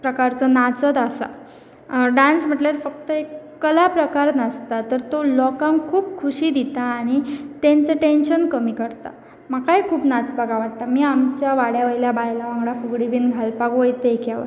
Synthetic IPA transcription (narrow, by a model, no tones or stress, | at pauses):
pɾəkaɾt͡sɔnat͡sət̪asa̰ | ɖansm̤əʈljaɾfək̚t̪əekːəlapɾəkaɾnəst̪at̪əɾt̪olɔkãŋkʰuːpkʰuɕiːd̪it̪aːɽ̃it̪ẽnt͡səʈenɕənkəmiːkəɾt̪a̰ | m̤akajkʰuːpnat͡spəɡaʋaʈ̚t̪amiːamt͡ɕjaʋaɽjaʋəjljabajlaʋãŋɡɭafuɡɽibiːnɡʱalpaɡʋəjt̪əekjaʋə̰ɾ